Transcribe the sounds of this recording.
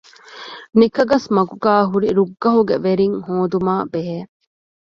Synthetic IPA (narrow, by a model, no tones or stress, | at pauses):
nikɐɡɐsmɐɡuɡaːɦuɾiɾuɡːɐɦuɡeʋeɾiŋhoːd̪umaːbeɦeː